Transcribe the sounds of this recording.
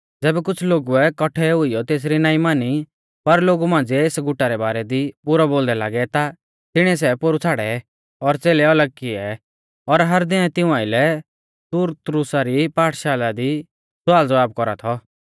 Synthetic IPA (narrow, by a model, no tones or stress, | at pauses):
d͡zɛːbɛkʊt͡sʰloːɡuɛkɔʈʰɛɦʊijɔt̪eːs̬ɾinaːĩmaːni | pɐɾloːɡumãːnd͡zieːsɡʊʈaɾɛbaːɾɛd̪ipʊɾɔboːld̪ɛlaːɡɛt̪a | t̪ɪɽ̃ɛs̬ɛpoɾut͡sʰaːɽɛ | ɔɾt͡seːlɛɐləɡ̚kɪɛ | ɔɾɦɐɾd̪ɪnɛt̪ɪ̃ʊ̃ãːɪlɛ | suːɾt̪ɾʊsaɾipaːʈʰʃaːlad̪i | sʊaːld͡zəʋaːb̚kɔɾa̰t̪ʰɔ